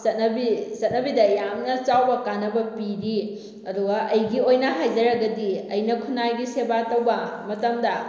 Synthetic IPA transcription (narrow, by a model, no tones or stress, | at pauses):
sɐt̚nɐbisɐt̚nɐbidɐjamnɐt͡ʃawbɐkanːɐbɐpiɾi | ɐduɡɐʔɐjɡiojnɐɦajd͡ʒɐɾɐɡɐdiɐjnɐkʰunajɡisebatɐwbɐmɐtɐmdɐ